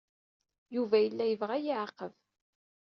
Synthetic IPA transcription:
juvæjəlːæjəvʁæjiʕaqəv

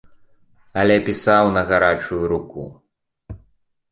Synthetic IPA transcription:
ɐlʲɛpʲisawnɐɣaɾat͡ʂujuɾuku

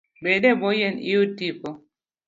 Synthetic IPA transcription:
beɗɛbɔjenḭutipɔ

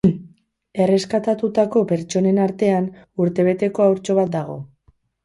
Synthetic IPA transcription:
e̞re̞skat̪at̪ut̪ako̞pe̞ɾt͡ʃo̞ne̞naɾt̪e̞an | uɾt̪e̞β̞e̞t̪e̞ko̞awɾt͡ʃo̞β̞at̪̚d̪aɣ̞o̞̰

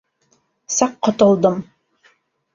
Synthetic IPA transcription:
sɑqːot̪ŏlˠd̪ɤm

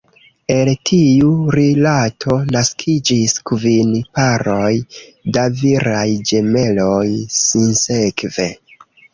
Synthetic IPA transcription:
e̞ltʰiuɾilatʰo̞naskʰid͡ʒiskvinpaɾo̞jdaviɾajd͡ʒe̞me̞lo̞jsinsekve̞

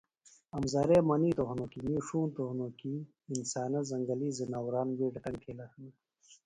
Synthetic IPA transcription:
ɐmzɐɾeːmɐniːt̪oɦunokimiːʂuːnt̪ohnokiː | nsaːnɐzɐŋɡɐliːzinawɾaːnweːʈɐt̪ɐŋkʰeːlɐhɐni

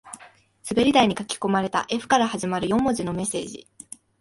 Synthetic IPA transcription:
sɨbe̞ɾʲid̪aiɲ̟ikakʲi̥ko̞maɾe̞t̪a̰ʔe̞ɸɯ̟̥kaɾahaʑimaɾɯjõ̞mːo̞ʑino̞me̞se̞ːʑḭ

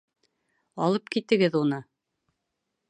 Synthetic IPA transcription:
ɑlˠɤp̚kit̪ɘ̆ɡɘðunɤ

